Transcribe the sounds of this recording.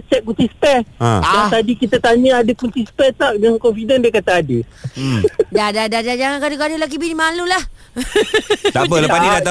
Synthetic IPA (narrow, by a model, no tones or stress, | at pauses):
t͡ʃɛʔ̚kunt̪ispɛãdat̪adikit̪at̪aɲə̃adakunt̪ispɛt̪aʔjaŋkɔnfidəndiəkat̪aadi | dadadadad͡ʒaŋankadukadulaɡibinimalulah | t̪abələpanidat̪a